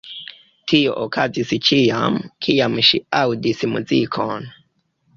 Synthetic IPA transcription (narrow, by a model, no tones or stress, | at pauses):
tʰijɔʔɔkʰad͡zisit͡ʃijamukʰijamuʃḭaudisimṵd͡zikʰɔna